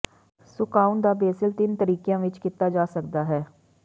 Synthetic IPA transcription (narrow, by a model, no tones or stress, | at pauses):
sʊkaːʊnd̪aːbeːsɪlt̪ɪnt̪əɾiːkejãːʋɪt͡ʃkɪt̪aːd͡ʒaːsəkd̪aːɦɛː